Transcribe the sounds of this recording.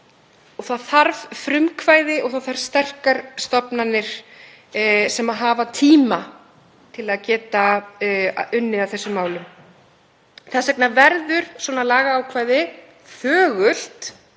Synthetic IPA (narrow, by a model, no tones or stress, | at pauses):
ɔɣθaðθaɾvfɾʏmkʰvaːjðɪʔɔɣθaθaɾ̥st̪ɛr̥kaɾst̪ɔpnanːɪɾ̥ | sɛmaðɦaːvat̪ʰiːma | t̪ʰɪlaðcɛːt̪a̰ | ʏnːɪaθɛsːʏmːaːwlʏm | θasɛk̚navɛɾðʏɾ̥swɔnalaːɣaːwkʰvaːjðɪ | θœːɣʏl̥t̪